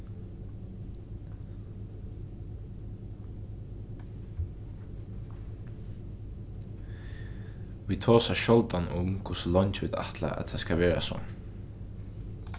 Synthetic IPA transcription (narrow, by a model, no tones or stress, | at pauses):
ʋiːt̪ʰoːsaʃɔlt̪anʊmkʰʊsəlɔnt͡ʃʋɪd̪a̰ht̪ʰla̰æ̰t̪haskaʋeːɹa̰sɔ̰ː